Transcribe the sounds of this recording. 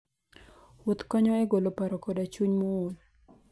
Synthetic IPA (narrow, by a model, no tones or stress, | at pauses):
wot̪kɔɲɔɛɡolopaɾɔkodat͡ʃuɲmɔol